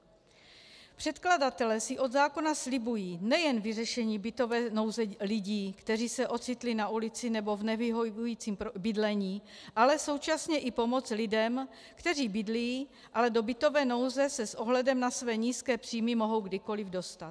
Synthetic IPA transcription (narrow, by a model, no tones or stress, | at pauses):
pr̝̥ɛt̪kladat̪ɛlɛsɪʔo̞d̪zaːko̞naslɪbujiːnɛjɛnvɪrɛʃɛɲiːbɪt̪o̞vɛːno̞wzɛlɪɟiːkt̪ɛriːsɛʔo̞t̪t͡sɪt̪lɪnaʔulɪt͡sɪnɛbo̞vnɛviɦoujiːt͡siːmbɪdlɛɲiːʔalɛso̞wt͡ʃasɲɛʔɪpo̞mo̞t͡slɪdɛm | kt̪ɛr̝iːbɪdlijiː | ʔalɛdo̞bɪt̪o̞vɛːno̞wzɛsɛsʔo̞ɦlɛdɛmnasvɛːɲiːskɛːpr̝̥iːmɪmoɦo̞wɡdɪko̞lɪvdo̞st̪at̪